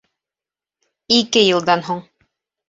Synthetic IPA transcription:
ikɘjɤ̆lˠd̪ɑnɦoɴ

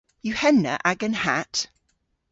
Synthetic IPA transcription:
jʉhɛnːə̰ʔaɡə̃nhat

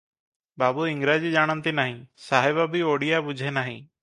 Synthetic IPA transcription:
baːbuɪŋɡɾad͡ʒid͡ʒaːɽ̃ənt̪inaɦĩsaɦɛbabʱioɽijabud͡ʒʱenaɦḭ̃

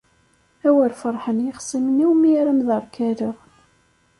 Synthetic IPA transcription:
æwəɾfəɾˤħənjəχsˤiməniwmiɾæmðəɾˤkæɾəʁ

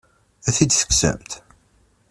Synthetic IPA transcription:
æθid̪θə̥ksə̰mt̪

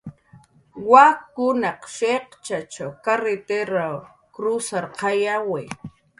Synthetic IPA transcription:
wakʊnɑqʃeqt͡ʃat͡ʃawkaɾet̪eɾaw | kɾʊsaɾqɑjawe

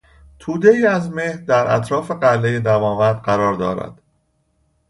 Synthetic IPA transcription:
t̪ʰuːd̪e̞iːæzme̞hɾd̪æɾʔæ̰t̪ʰɾɒːfe̞ɢælːeje̞d̪æmɒːvæɾd̪̚ɢæɾɒːɾd̪ɒːɾæ̰d̪̥

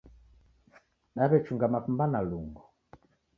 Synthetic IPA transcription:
ɗaβɛt͡ʃuŋɡamafumbanaluŋɡɔ

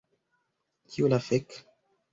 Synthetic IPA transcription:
kiulafek

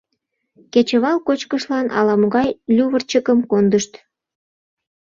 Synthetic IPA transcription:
ket͡ɕəβɑlkot͡ɕkəʃlɑnɑ̰lɑmoɣɑjlʲuβərt͡ɕəkəmkond̪əʃt̪

